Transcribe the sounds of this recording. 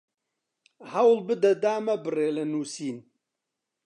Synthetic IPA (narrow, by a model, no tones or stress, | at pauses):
hɐwlbɨd̪ɐd̪aːmɐbɨreːlɐnuːsiːn